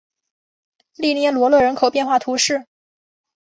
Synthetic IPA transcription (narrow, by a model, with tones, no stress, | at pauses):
li˥˧njɛ˥˩lwɔ˧˥lwɤ˥˩ɻə˧˥nkʰo˨˩ʊpjɛ˥˧nxwa˥˩t̪ʰu˧˥ʂɻ̩˥˩